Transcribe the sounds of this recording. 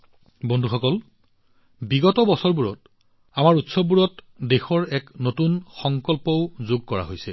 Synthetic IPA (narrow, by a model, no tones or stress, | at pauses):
bɔndʱuxɔkɔl | biɡɔtɔbɔsɔɹbuɹɔt | amaɹutsɔbbuɹɔt | dexɔɹɛknotunxɔŋkɔlpɔʊzoɡ̚kɔɹa̰ɦojsɛ